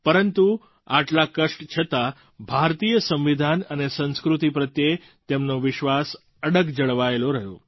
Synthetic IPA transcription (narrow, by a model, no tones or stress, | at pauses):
pəɾənt̪u | aʈlakəʂʈt͡ʃʰət̪a | bʱaɾt̪ijəsə̃mʋid̪ʱanənesə̃nskɾut̪ipɾət̪je | t̪emnoʋɪʃʋas | əɽəɡd͡ʒəɭʋaeloɾəɦjo̰